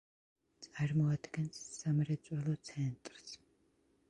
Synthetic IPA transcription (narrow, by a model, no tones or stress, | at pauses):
t͡sʼarmɔat̪ɡɛnssamrɛt͡sʼwalɔt͡sʰɛnt̪ʼrs